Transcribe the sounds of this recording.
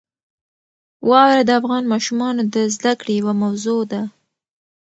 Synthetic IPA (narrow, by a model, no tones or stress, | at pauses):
wɑwɾad̪əafɣɑnmɑʃumɑnod̪əzd̪akɽejawamawzod̪a